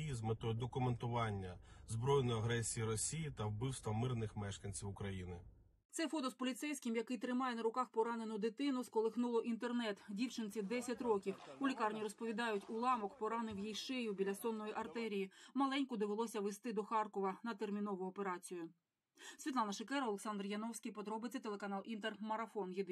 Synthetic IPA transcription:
izmɪt̪ɔjd̪ɔkʊment̪ʊʋɑnʲːɐzbɾɔjnɔjɐɦɾɛsʲijiɾɔsʲijit̪ɐwbɪwst̪ʋɐmɪrnɪxmɛʃkɐnʲt͡sʲiwʊkɾɐjinɪ | t̪sɛfɔt̪ɔspɔlʲit̪sɛjsʲkʲɪmjɐkɪjt̪ɾɪmɑjɛnɐɾʊkɑxpɔɾɑnenʊd̪ɪt̪ɪnʊskɔlˠexnulˠɔʔint̪ernɛt̪dʲiwt͡ʃɪnt͡sʲid̪ɛsʲɐtʲɾɔkʲiwʊlʲikɑrnʲiɾɔspɔʋʲid̪ɑjʊtʲʊlˠɑmɔkpɔɾɑnɪwjijʃɛjʊbʲilʲɐsɔnːɔjiʔɐrt̪ɛɾʲijimɐlˠɛnʲkʊd̪eʋelˠɔsʲɐʋest̪ɪd̪ɔxɑrkɔʋɐnɐt̪ermʲin̪ɔʋʊɔpe̞ɾɑt͡sʲijʊ | sʲʋʲit̪lˠɑnɐʃekɛɾɐɔlˠeksɑnd̪rjɐnɔwsʲkʲijpɔd̪ɾɔbɪt͡sʲːɐt̪e̞lˠekɐnɑlˠʔint̪ermɐɾɐfɔnjid̪ɪ

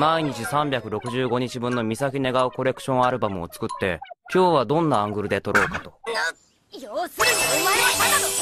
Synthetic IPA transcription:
maiɲ̟it͡ɕisãmbʲjakɯ̟ɾo̞kɯ̟ʑɨːɡo̞ɲ̟it͡ɕibɯ̟̃nːo̞mʲisakʲine̞ɡaɯ̟ko̞ɾe̞kɯ̟̥ɕõ̞ɰ̃aɾɯ̟bamɯ̟o̞̰t͡sɨ̥kɯ̟t̪ːe̞̰kʲo̞ːβad̪õ̞nːãːŋɡɯ̟ɾɯ̟d̪e̞t̪o̞ɾo̞ːkat̪o̞̥

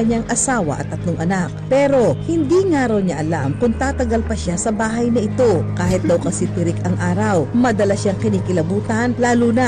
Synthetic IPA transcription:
ɐɲaŋʔɐsaːwɐ̰ʔɐ̰t̪ːɐt̪loŋʔɐnak̚pɛːɾo̞hɪnd̪iŋaːɾɐwɲaʔɐlamkʊŋt̪aːt̪ɐɡalpɐʃasɐbaːɦɐjnɐʔɪt̪o̞kaːhɪt̪̚d̪ɐwkɐsɪp̪ɪɾɪkɐŋʔaːɾɐwmɐd̪ɐlaʃaŋkɪniːkɪlɐbuːt̪ɐnlaːluːnɐ

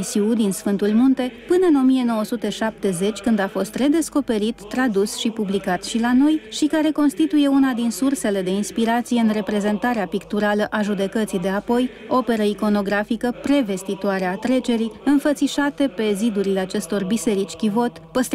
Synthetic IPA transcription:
siud̪insfɨnt̪ulmunt̪e̞pɨnəɨno̞mie̞no̞wəsut̪e̞ʃap̚t̪e̞ze̞t͡ʃʲkɨnd̪afo̞st̪re̞d̪e̞sko̞pe̞ɾit̪ːɾad̪usʃipublikat̪ʃilano̞jʃikaɾe̞ko̞nst̪it̪uje̞unad̪insurse̞le̞d̪e̞inspiɾat̪sijeɨnre̞pɾe̞ze̞nt̪aɾeapikt̪uɾaləʔaʒud̪e̞kət̪sijd̪e̞apo̞j | o̞pe̞ɾəiko̞no̞ɡɾafikəpɾe̞ve̞st̪it̪oaɾeat̪ɾe̞t͡ʃe̞ɾiɨnfət̪siʃat̪e̞pe̞zid̪uɾileat͡ʃe̞st̪o̞rbise̞ɾit͡ʃʲkʲivo̞t̪pəst̪

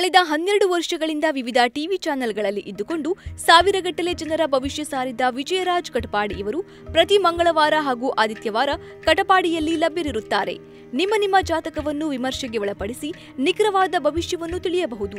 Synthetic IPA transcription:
kɐɭid̪ɐɦɐnːjeɾɐɽuʋɐɾʂɐɡɐɭind̪ɐʋiʋid̪ʱɐʈiʋit͡ʃaːnɐlɡɐɭɐlːiʔid̪ːuko̞ɳɖusaːʋiɾɐɡɐʈːɐle̞d͡ʒɐnɐɾɐbʱɐʋiʃjɐsaːɾid̪ɐʋid͡ʒɐjɐɾaːd͡ʒkɐʈɐpaːɽiʔɐʋɐɾu | pɾɐt̪imɐŋɡɐɭɐʋaːɾɐɦaːɡuʔaːd̪ʱit̪jɐʋaːɾɐ | kɐʈɐpaːɽijɐlːilɐbjɐɾiɾut̪ːaːɾe̞̰ | nimːɐnimːɐd͡ʒaːt̪ɐkɐʋɐnːuʋimɐɾʃɐɡeʋɐɭɐpɐɽisi | nikɾɐʋaːd̪ɐbʱɐʋiʃjɐʋɐnːut̪iɭijɐbɐɦud̪u

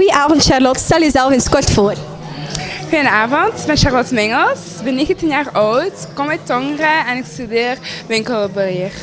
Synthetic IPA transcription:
ujəʔaːvɔntʃarlɔtstɛlˠjəzɛlˠfɪnskɔrtfoːr | xijənaːvəntbɛnʃarlɔtmɪŋəlˠs | bɛnːeːɣəntinjaːrɔwtkɔmɛjtɔŋrəɛnɪkstydeːrʋɪŋkəlˠbəlɪːr

